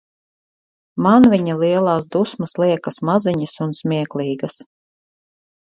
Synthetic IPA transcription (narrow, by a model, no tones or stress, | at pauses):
manviɲalˠiɛlˠɑːs̬d̪usmɐslˠiɛkɐsmaziɲisunsmʲiɛklˠiːɡɐs